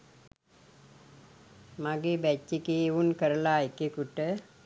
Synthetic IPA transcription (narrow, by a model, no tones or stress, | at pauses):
maɡebæt͡ʃːekeːunkəɾəlaekekuʈə